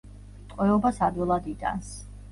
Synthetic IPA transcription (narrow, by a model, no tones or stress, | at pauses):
t̪ʼqʼwɛɔbasad̪wɛlˠad̪it̪ʼa̰ns